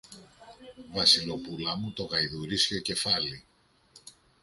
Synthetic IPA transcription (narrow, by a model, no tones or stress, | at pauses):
vɐsilopulɐmut̪o̞ɣɐjðuɾiscoce̞fɐli